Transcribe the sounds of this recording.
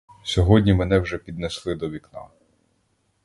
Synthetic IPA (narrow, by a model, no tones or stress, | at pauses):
sʲɔɦɔdʲnʲimenɛwʒɛpʲid̪neslˠɪd̪ɔʋʲiknɑ̰